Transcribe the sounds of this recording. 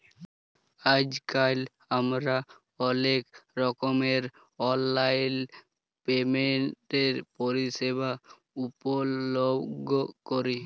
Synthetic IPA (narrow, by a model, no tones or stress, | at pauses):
ad͡ʒkal | amɾa | ɔnekɾɔkomeɾ | ɔlːajn | pemeɳʈeɾpoɾiʃeba | upoloɡʱokoɾi